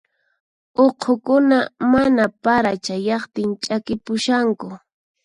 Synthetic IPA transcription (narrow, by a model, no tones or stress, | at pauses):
oqʰokʊnamanapaɾat͡ʃajɑχt̪ɪnt͡ʃʼakɪpʊʃaŋkʊ